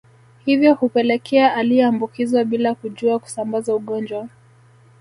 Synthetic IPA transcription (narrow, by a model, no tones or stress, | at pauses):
hivjɔhupɛlɛkʰɛaʔaliɛambukizwaɓilakuʄuaku̥sambazauɠɔnd͡ʒwa